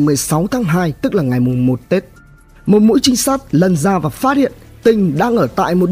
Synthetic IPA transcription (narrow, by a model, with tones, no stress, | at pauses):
mɨ˨˩əjsa˨˦wt̪ʰaː˨˦ŋɦaː˧jt̪ɨ˦˥k̚laː˨˩ŋa˨˩jmʊ˨˩ŋ͡mmo˨˩t̚t̪e˦˥t̚ | mo˨˩t̚mṵ˧˥jt͡ɕï˧ŋ̟sa˦˥jk̚lə˨˩nzaː˧vaː˨˩faː˦˥t̚hḭ˧˨ən | t̪ï˨˩ŋ̟ɗa̰ː˧ŋʔəː˧˩t̪a̰ː˧˨jmo˨˩t̚